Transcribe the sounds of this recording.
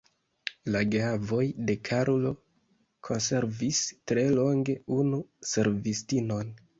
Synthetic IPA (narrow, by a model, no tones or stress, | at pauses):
laɡeavo̞jde̞kʰaɾolo̞ | kʰo̞nse̞ɾvistɾe̞lo̞ŋɡe̞unuse̞ɾvistino̞n